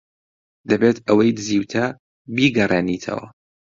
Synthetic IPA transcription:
d̪ɐbet̪ʰɐwɐjd̪ɨziːwt̪ʰɐ | biːɡɐreːniːt̪ʰɐ̰wɐ̰

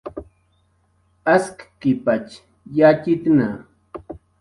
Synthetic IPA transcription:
askkɪpat͡ʃ | jat͡ʃɪt̪na

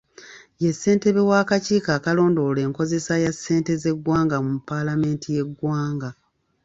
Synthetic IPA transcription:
je̞sːe̞ːnte̞βewaːkaciːkaːkalo̞ːndo̞le̞ːŋko̞ze̞sajasːe̞ːnte̞ze̞ɡwaːŋɡamupːalame̞ːntʰije̞ɡwaːŋɡa

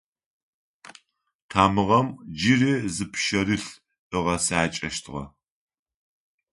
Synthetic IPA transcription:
tʰaːmɨʁɐmd͡ʒiriːzɨpʰʃɐɾɨɬ | ʔɨʁɐsaːt͡ʃʼɐʃtʰɨʁɐ̰

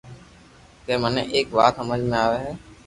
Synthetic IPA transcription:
k̪ɛ̃ːmənḛ̃ʔeːkʋa̰ːt̪səməd͡ʒʱmẽaːʋeːɦɛː

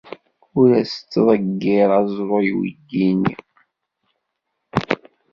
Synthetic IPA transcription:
ʊɾæst͡sːðˤəɡːɪɾˤɑzˤɾˤojw̰dːin

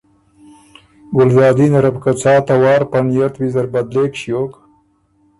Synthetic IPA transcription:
ɡʊlzɑːd̪inaɾabkat͡sɑːt̪awɑːɾpanijat̪wizaɾbad̪leːkʃjoːk

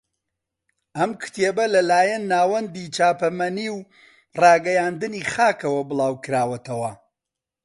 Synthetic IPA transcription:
ʔɐmkʰɨ̥t̪ʰeːbɐlɐlaːjɐnːaːwɐnd̪iːt͡ʃaːpɐmɐniːw | rɑːɡɐjaːnd̪ɨniːxaːkɐwɐbɨlˠaːwkɨɾaːwɐt̪ʰɐwɐ

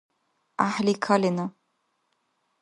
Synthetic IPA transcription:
ʔaħlikʰalɪna

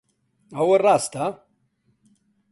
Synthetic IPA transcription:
ɐwɐraːst̪a

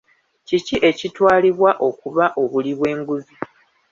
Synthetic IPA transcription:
ciciʔe̞citwaːliβwaʔo̞kuβaʔo̞βuliβwe̞ːŋɡuzi

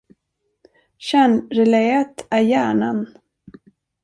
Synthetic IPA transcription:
ɕæɳɾɛlɛat̪æɾjæːɳan

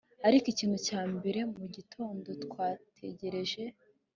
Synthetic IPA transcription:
aɾikiciːnhucaːmbe̞ɾe̞muɟitʰoːndo̞tkwaːtʰe̞ɟe̞ɾe̞ʒe̞

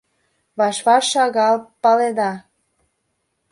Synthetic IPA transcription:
βɑʃβɑʃɑɣɑlpɑled̪ɑ

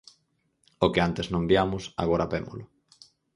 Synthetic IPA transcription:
okeant̪eznõmbjamʊsa̰ɣ̞oɾapemo̰lʊ

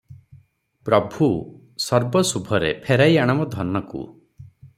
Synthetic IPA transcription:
pɾɔbʱu | sɔɾbɔsubʱɔɾḛpʰeɾajaɽ̃ɔmɔd̪ʱɔnːɔkṵ

